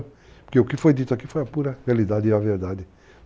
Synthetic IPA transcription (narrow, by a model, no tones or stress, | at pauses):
poɾkeʊkɪfojd̪it̪ʊakifojɐpuɾɐrealid̪ad̪ɪɐveɾd̪ad̪ɪ